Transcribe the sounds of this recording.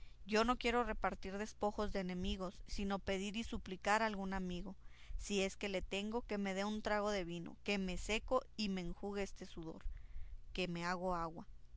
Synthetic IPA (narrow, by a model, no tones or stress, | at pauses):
ɟ͡ʝo̞no̞kje̞ɾo̞re̞paɾt̪iɾðe̞spo̞xo̞zd̪e̞ːnẽ̞miɣo̞sːino̞pe̞ðiɾisuplikaɾalɣunamiɣo̞ | sie̞ske̞le̞t̪e̞ŋɡo̞ke̞me̞ðe̞unt̪ɾaɣ̞o̞ðe̞βino̞̰ke̞me̞se̞ko̞imeːŋxuɣeest̪e̞suðo̞̰ɾke̞me̞aɣo̞aɣwa